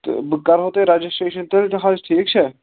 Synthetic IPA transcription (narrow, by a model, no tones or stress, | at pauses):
bkaɾɦot̪eɾad͡ʒəsʈeʃənt̪elt̪əɦad͡ʒʈʰik̚t͡ʃʰɛ